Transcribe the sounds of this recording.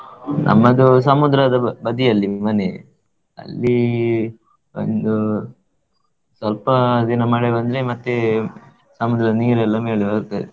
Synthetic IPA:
nʔɐ̰mːɐd̪us̬ɐmud̪ɾɐd̪ɐbɐd̪ijɐlːimɐne | ɐ̰lːi | o̰nd̪u | sʋɐlpɐd̪inɐmaːɽebɐnd̪ɾemɐt̪ːe | sɐmud̪ɾɐd̪ɐniːɾɛlːɐmeːɭebɐt̪aɾe

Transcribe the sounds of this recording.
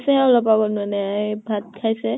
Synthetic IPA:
sɛʊlɔpːabɔnʊanɛabʱat̪̚kʰajsɛ

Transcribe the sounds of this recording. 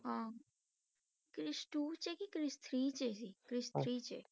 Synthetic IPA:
ɦã | kɾɪsʈut͡ʃekikɾɪst̪ʰɾit͡ʃesikɾɪst̪ɾit͡ʃḛ

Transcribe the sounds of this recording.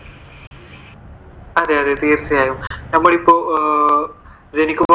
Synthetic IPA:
ɐðeɐðet̪iːrt͡ɕɐjaːjumnɐmːɐɭipːoː | ɾenikʲːuɐ

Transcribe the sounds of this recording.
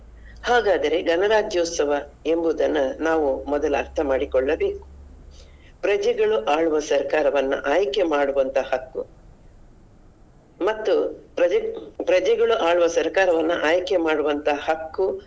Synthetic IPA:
haːɡaːd̪ɐɾe̞ɡɐnɐɾaːd͡ʒjoːt̪sɐʋɐe̞mbud̪ɐnːunaːʋumɔd̪ɐlɐɾt̪ʰɐmaːɽikɔɭːɐbe̞ːku̥ | pɾɐd͡ʒɛɡɐɭuʔaːɭuʋɐsɐɾkaːɾɐʋɐnːṵʔaːjkemaːɽuʋɐnt̪ɐhɐkːṵ | mɐt̪ːupɾɐpɾɐd͡ʒɛɡɐɭuʔaːɭuʋɐsɐɾkaːɾɐʋɐnːṵʔaːjkemaːɽuʋɐnt̪ɐhɐkːu

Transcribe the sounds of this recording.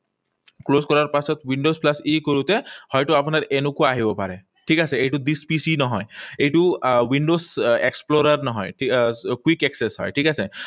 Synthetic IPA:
kloskɔɾaɹpasɔt̪wiɳɖosplasikoɾut̪ehɔjʈuapunaɹenukuaaɦibɔpaɾɛ | ʈʰikaseejʈud̪ispisinɔɦɔjejʈuwiɳɖozeksploɾaɾnɔɦɔjʈʰikwikeksesɦɔ̰jʈʰikase

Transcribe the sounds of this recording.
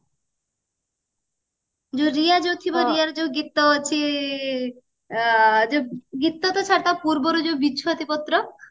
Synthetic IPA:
d͡ʑoɾijad͡ʑowt̪ʰibaɾijaɾd͡ʑoɡit̪ːɔt͡ɕʰi | d͡ʑoɡit̪ːɔt̪ɔt͡ɕʰaɾt̪apuɾboɾod͡ʑobidʃʰot̪ipɔt̪ːɾɔ

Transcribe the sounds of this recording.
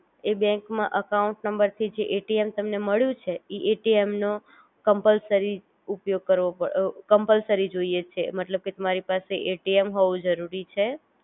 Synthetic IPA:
ebɛ̃ŋkmãʔəkauɳʈnəmbəɾt̪ʰid͡ʒeʔeʈiemt̪əmneməɭjũt͡ʃʰeiʔeʈiemno | kəmpəlsəɾi | upjoɡ̚kəɾʋopəkəmpəlsəɾid͡ʒoiet͡ʃʰemət̪ləb̚ket̪əmaɾipaseʔeʈiemɦoʋũd͡ʒəɾuɾit͡ʃʰe

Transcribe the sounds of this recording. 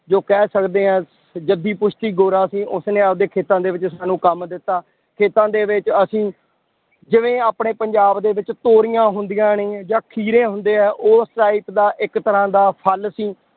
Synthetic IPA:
d͡ʒoːkɛːsəkd̪eːɛ̃ː | d͡ʒəd̪iːpʊʃʰt̪iːɡoːɾãːsĩːʔʊsnẽːəd̪eːkʰeːt̪ãːd̪eːʋɪt͡ʃsaːnũːkəmd̪ɪt̪ːaː | kʰeːt̪ãːd̪eːʋɪt͡ʃəsĩː | d͡ʒɪʋẽːaːpɳeːpəɲd͡ʒaːbd̪eːʋɪt͡ʃt̪oːɾɪjãːɦʊnd̪ijãːneːd͡ʒãːkʰiːɾẽːɦʊnd̪eːɛ̃ːʔoːsʈaːɪpd̪aːʔɪkt̪əɾãːd̪aːpʰəlsĩː

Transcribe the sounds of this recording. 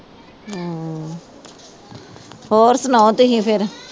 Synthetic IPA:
hoːɾsənãːt̪iɦĩːpʰɪɾ

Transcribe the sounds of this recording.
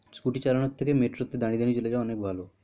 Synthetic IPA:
skuʈit͡ɕalaɳ̃ɔt̪ʰːekemeʈɾot̪ːed̪ʱaɽ̃id̪enid͡ʒuled͡ʒaɔnekbʱalo

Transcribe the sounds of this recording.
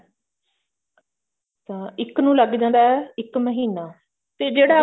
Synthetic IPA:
t̪ãːɪknũːləɡd͡ʒãːnd̪aːɛːɪkməɦiːnaː | t̪eːd͡ʒeːɽaː

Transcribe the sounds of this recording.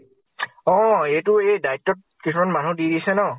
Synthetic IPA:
ɔ̃ejtʊejdaitːɔt̚kisumanmanudiɾisɛnɔ

